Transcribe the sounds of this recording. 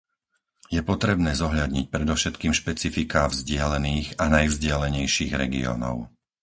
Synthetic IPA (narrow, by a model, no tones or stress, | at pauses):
jɛpɔt̪ɾɛbnɛːzɔɦʎad̪ɲic̚pɾɛd̪ɔʊʃɛt̪kiːmʃpɛt͡sifikaːvzɟɪalɛniːɣanajvzɟɪalɛɲɛjʃiːɣɾɛ̰ɡḭɔ̰ːnɔ̰ʊ